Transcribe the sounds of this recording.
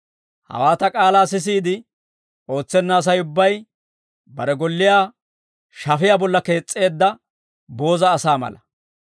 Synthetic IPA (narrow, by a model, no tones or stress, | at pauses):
hɐ̰waːt̪ɐkʼaːlaːsɪs̬iːd̪ɪ | o̞ːt͡sːɛnːaːs̬ɐjʊbːɐj | bɐɾɛɡɔlːɪjaː | ʃɐfɪjabɔlːɐke̞ːt͡sʼːe̞ːd̪ːɐ | bo̞ːzɐːsaːmɐ̰lɐ